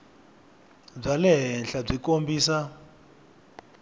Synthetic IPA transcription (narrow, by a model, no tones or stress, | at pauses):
b͡ʐalɛɦɛnɬab͡ʐikombiːsa